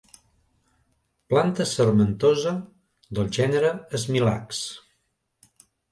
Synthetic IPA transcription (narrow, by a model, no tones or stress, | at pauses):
plant̪əsərmənt̪ozə | d̪əlˠʒɛnəɾəəzmila̰ks